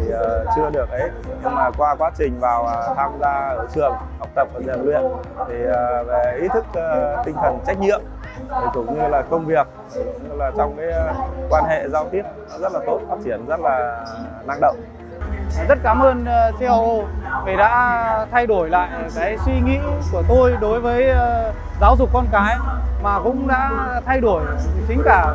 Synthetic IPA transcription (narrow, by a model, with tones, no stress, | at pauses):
t̪ʰi˨˩ʔəː˨˩t͡ɕɨ˧əɗɨ˨˩ək̚ʔə˨˦j | ɲɨ˧ŋmaː˨˩kwaː˧kwaː˨˦t͡ɕï˨˩ŋ̟vaː˨˩wʔə˨˩t̪ʰaː˧mzaː˧ʔəː˧˩t͡ɕɨ˨˩əŋ | ha˨˩wk͡p̚t̪ə˨˩p̚əː˨˩zḭ˨˩nlwḭ˧˨ənt̪ʰi˨˩əː˨˩ve˨˩ʔi˨˦˥t̪ʰɨ˦˥k̚ːt̪ï˧ŋt̪ʰə˨˩nt͡ɕa˦˥k̟̚ɲḭ˧˨əm | t̪ʰi˨˩kʊ˨˧˩ŋ͡mɲɨ˧laː˨˩kə˧wŋ͡mvi˨˩ək̚ | ɲɨ˧laː˨˩t͡ɕɔ˧wŋ͡mkaː˨˦jkwaː˧nɦḛ˧˨zaː˧wt̪i˦˥əp̚zə˦˥t̚laː˨˩t̪o˦˥t̚faː˦˥t̚t͡ɕi˧˩ənzə˦˥t̚laː˨˩ | na˧ŋɗə̰˧˨wŋ͡m | zə˦˥t̚kaː˨˦mʔəː˧nː˧se˧ʔə˧wʔo˧vi˨˩ɗa̰ː˧˥t̪ʰa˧jɗo˧˩jla̰ː˧˨jkaː˨˦jswi˧ŋḭ˧˥ku˧˩ət̪o˧jɗo˨˦jvəː˨˦j | zaː˨˦wzʊ˨˩k̚kːɔ˧nkaː˨˦jmaː˨˩kʊ̰˧˥ŋ͡mɗa̰ː˧˥t̪ʰa˧jɗo˧˩əjt͡ɕï̟˨˦kaː˧˩